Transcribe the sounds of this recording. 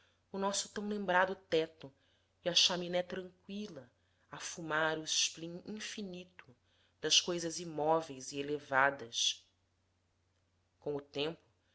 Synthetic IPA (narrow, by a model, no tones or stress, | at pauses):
ʊnɔsʊ̥t̪ɐ̃w̃lẽmbɾad̪ʊt̪ɛt̪ʊ | iɐʃaminɛt̪ɾɐ̃ŋkwilɐ | afumaɾʊɪʃplĩŋĩfinit̪ʊ̥ | d̪̥ɐʃkojzɐzimɔvejzielevad̪ɐs | kõʊt̪ẽmpʊ̥